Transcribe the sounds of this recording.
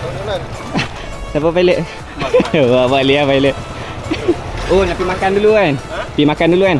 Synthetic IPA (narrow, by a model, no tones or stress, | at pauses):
sapəpaileʔ | waʔwaʔliapaileʔ | onapimakanduluanpimakanduluan